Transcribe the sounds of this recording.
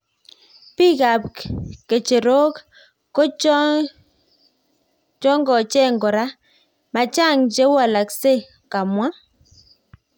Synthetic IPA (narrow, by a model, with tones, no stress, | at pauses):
pi˦ka˨pkke˨t͡ʃe˨ɾo˦k | kɔ˦t͡ʃ | t͡ʃɔ˦ŋɡɔ˨t͡ʃɛ˦˨ŋɡɔ˨ɾa˦ | ma˨t͡ʃa˦˨ŋd͡ʒe˦wa˨la˨kse˦˨ | ka˨mwa˦